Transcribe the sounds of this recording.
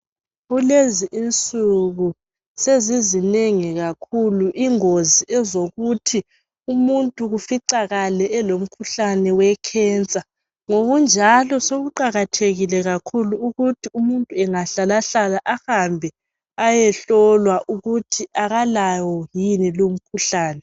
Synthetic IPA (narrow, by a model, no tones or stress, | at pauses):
ɣuleziʔint͡sʼuɣu | sezizineŋiɣakʰuluʔiŋoziɛzoɣutʰi | umuntʼuɣufiǀaɣalɛːlom̩kʰuɬanɛwɛkʰɛnt͡sʼa | ŋoɣund͡ʒʱalɔsoɣuǃaɣatʰeɣilɛɣakʰuluuɣutʰiumuntʼuɛŋaɬalaɬalaʔahambʱɛ | ajɛɬɔlwaʔuɣutʰiʔaɣalawɔjinilom̩kʰuɬaːnɛ